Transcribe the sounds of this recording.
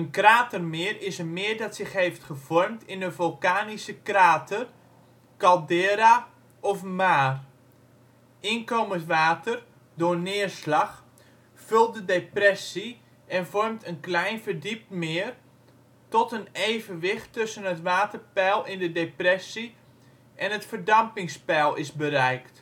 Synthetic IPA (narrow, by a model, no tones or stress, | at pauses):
ənkraːtərmɪːrɪsəmɪəɹdɑtsɪχɦejftχəv̥ɔrmtʰɪndəvolˠkaːnisəkraːtʰər | kɑlˠdɪːɾa | ɔfmaːr | ɪnkowməntʋaːtər | dʊːrnɪəɹslaχ | fɵlˠt̚dədeprɛsi | ɛnvɔrmtʰənklɛjnvərdip̚mɪːər | tɔtənejvənʋɪxtːɵsənətʋaːtərpɛlˠɪndədeprɛsi | ʔɛnətfərdɑmpɪŋspɛlˠɪzbəɾɛjkt